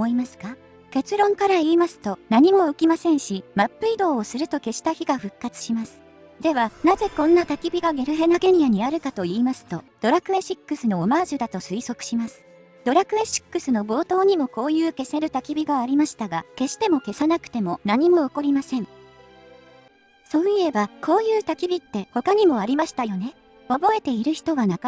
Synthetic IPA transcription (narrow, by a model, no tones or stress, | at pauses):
oimasɨ̥ka | ke̞t͡sɨɾõ̞ŋkaɾaiːmasɨ̥t̪o̞naɲ̟imo̞ɯ̟kʲimasẽ̞ɰ̃ɕimapːɯ̟id̪o̞ːsɨɾɯ̟t̪o̞ke̞ɕi̥t̪açiɡaɸɯ̟kːat͡sɨ̥ɕimasɨ̥ | d̪e̞βanaze̞kõ̞nːat̪akʲibʲiɡaɡe̞ɾɯ̟ɦe̞naɡe̞ɲʲijaɲ̟iaɾɯ̟kat̪o̞iːmasɨ̥t̪o̞̰d̪̥o̞ɾakɯ̟e̞ɕikːɯ̟sɨno̞ːmaːzɨd̪at̪o̞sɨiso̞kɯ̟̥ɕimasɨ̥ | d̪̥o̞ɾakɯ̟e̞ɕi̥kːɯ̟sɨno̞bo̞ːt̪o̞ːɲ̟imo̞ko̞ːjɯ̟ːke̞se̞ɾɯ̟t̪akʲibʲiɡaːɾʲimaɕi̥t̪aɡake̞ɕi̥t̪e̞mo̞ke̞sanakɯ̟̥t̪e̞mo̞naɲ̟imo̞ːko̞ɾʲimasẽ̞ɴ | so̞ːie̞bako̞ːjɯ̟ːt̪akʲibʲit̪ːe̞ho̞kaɲ̟imo̞aɾʲimaɕi̥t̪ajo̞ne̞ | o̞bo̞e̞t̪e̞iɾɯ̟çi̥t̪o̞βanak